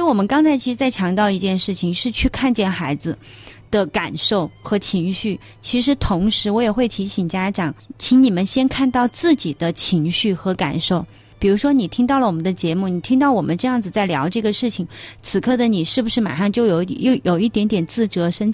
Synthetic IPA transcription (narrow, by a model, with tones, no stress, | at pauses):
wɔ˨˩mə˦nkɑ˥ŋt͡sʰa˧˥ɪt͡ɕʰi˧˥ʂɻ̩˧˥t͡sa˥˩ɪt͡ɕʰjɑ˧˥ŋt̪jɑ˥˧ʊi˧˥t͡ɕjɛ˥˧nʂɻ̩˥˩t͡ɕʰi˨˩ŋʂɻ̩˥˧t͡ɕʰy˥˧kʰa˥˧nt͡ɕjɛ˥˩nxa˧˥ɪd͡zɹ̩˧ | d̪̥ə˧ka˨˩nʂo˥˩ʊxɤ˧˥t͡ɕʰi˧˥ŋɕy˥˩ | t͡ɕʰi˧˥ʂɻ̩˧˥t̪ʰʊ˧˥ŋʂɻ̩˧˥wɔ˧˥jɛ˨˩xwe˥˩ɪt̪ʰi˧˥ɕi˨˩ŋt͡ɕja˥ʈ͡ʂɑ˨˩˦ŋt͡ɕʰi˧˥ŋni˨˩mə˦nɕjɛ˥nkʰa˥˧nt̪ɑ˥˧ʊt͡sɹ̩˥˩t͡ɕi˨˩d̪ə˦t͡ɕʰi˧˥ŋɕy˥˩xɤ˧˥ka̰˨˩nʂo˥˩ʊ | pi˨˩ɻu˧˥ʂwɔ˥ni˨˩t̪ʰi˥ŋt̪ɑ˥˩ʊlə˩wɔ˨˩mə˦nd̪ə˧t͡ɕjɛ˧˥mu˥˩ni˨˩t̪ʰi˥ŋt̪ɑ˥˩ʊwɔ˨˩mə˦nʈ͡ʂɤ˥˧jɑ˥˩ŋd͡zɹ̩˩t͡sa˥˩ɪljɑ˧˥ʊʈ͡ʂɤ˥˩ɡə˩ʂɻ̩˥˩t͡ɕʰi˨˩ŋt͡sʰɹ̩˨˩kʰɤ˥˩d̪ə˩ni˨˩ʂɻ̩˥˩bu˩ʂɻ̩˥˩ma̰˨˩ʂɑ˥˧ŋt͡ɕjo˥˧ʊjo˨˧˥ʊ˨jjo˨˩ʊi˥˩t̪jɛ˧˥nt̪jɛ˨˩nt͡sɹ̩˥˩ʈ͡ʂɤ˧˥ʂə˥n